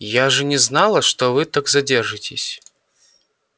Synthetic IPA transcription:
jaʐɨnʲɛznalˠɐʂt̪ɔvɨt̪aɡzadʲɛrʐɨtʲɪsʲ

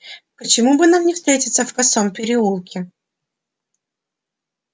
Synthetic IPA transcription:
pət͡ɕɪmubɨnamnʲɪfst̪ɾʲetʲɪ̥t̪səfkɐsompʲɪɾʲɪulˠkʲɪ

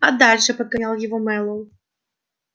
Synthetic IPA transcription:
ɐd̪alʲʂɨpɐd̪̚kanʲalˠjɛvɔmɛlˠɔw

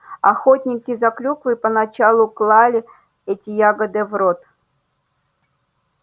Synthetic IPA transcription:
ɐxotʲnʲɪkʲɪzaklʲukvɨpənat͡ɕalˠʊklˠalʲɪ | ɛtʲɪjaɡəd̪ɨvrot̪

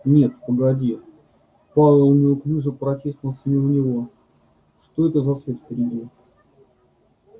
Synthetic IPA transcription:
nʲe̞t̪pəɡɐdʲi | pavʲɪlˠnʲɪoklʲiʐəpɾɐtʲest̪nəlˠsʲənʲiʊnʲɪvo̞ | ʂt̪oɛt̪əzɐsvʲet̪fʲpʲɪɾʲɪdʲi

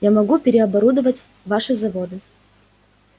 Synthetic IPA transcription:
jamɐɡupʲɪɾʲɪɐbɐɾud̪əvətʲ | vaʂɨzɐvod̪ɨ

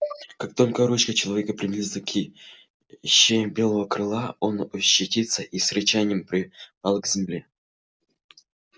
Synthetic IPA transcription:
kak̚t̪o̞lʲkəɾut͡ɕkət͡ɕɪlˠɐvʲekəpɾʲɪmʲɪlʲzɨkʲʰi | ɕːebʲe̞lˠəvəkrɨlˠao̞nʊɕːɪtʲit̪səʔisɾʲɪt͡ɕanʲɪjəmpɾʲɪpalˠɡzʲɪmlʲe

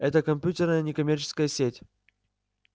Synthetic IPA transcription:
ɛt̪əkɐmʲpʲutʲɪrnəjənʲɪkɐmʲert͡ɕɪ̥skəjəsʲetʲ

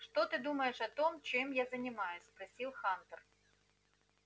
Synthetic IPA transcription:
ʂt̪ɔt̪ɨd̪umɐjɛʂɐt̪ɔmt͡ʃɨmjazɐnʲɪmajʊsʲspɾɐsʲilˠxant̪ɐr

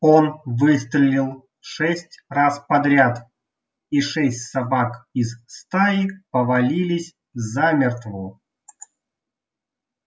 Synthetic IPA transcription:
onvɨst̪ɾʲɪlʲilˠ | ʂɛsʲtʲraspɐd̪ɾʲat̪ | iʂɛsʲtʲsɐbakizst̪ajɪpəvɐlʲilʲɪsʲ | zamʲɪrt̪vɔ

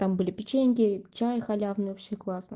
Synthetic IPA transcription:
t̪ambɨlʲɪpʲɪt͡ɕenʲkʲɪt͡ɕajɪxɐlʲavnɨjɔfʲsʲexklˠasnɨ

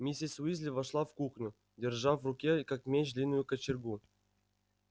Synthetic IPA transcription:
mʲisʲisʲuizʲlʲivaʂlˠafkuxnʲʊ | dʲɪrʐafrʊkʲekakmʲet͡ɕdlʲinːʊjʊkɐt͡ɕɪrɡu

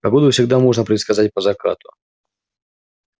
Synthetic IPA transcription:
pɐɡod̪ʊfsʲɪɡ̚d̪amoʐnəpɾʲɪt̪skɐzat̚ʲpəzɐkɾa̰t̪ʊ̰

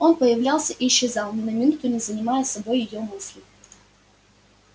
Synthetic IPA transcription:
o̞npəjɪvlʲalˠsʲəʔiːɕːɪzɑlˠnʲɪnəmʲɪnut̪ʊnʲɪzənʲɪmajəsɐbo̞jːɪjo̞mɨsʲlʲɪ

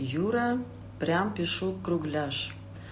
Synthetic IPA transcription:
juɾɑ | prʲɑmpeʃukːruɣlʲɑʃ

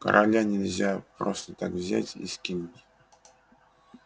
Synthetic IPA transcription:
kə̰ɾʔalʲanʲɪlʲzʲapɾost̪ət̪akvzʲæ̰tʲḭskʲintʲ

